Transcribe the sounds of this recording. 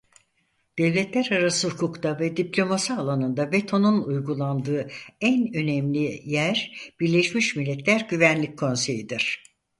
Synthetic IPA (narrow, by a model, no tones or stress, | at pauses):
d̪̥ɛvlʲɛt̪ʰlʲæɾaɾasɯhukʰukt̪avɛd̪iplʲo̞masialˠanɯnd̪abet̪ʰo̞nunujɡulˠand̪ɯːænø̞nɛmlʲijæɾb̥iɾlʲeʃmiʃmilʲːɛt̪lʲæɾɟyvænlʲic̚ʰːo̞nse̞jid̪iɾ̥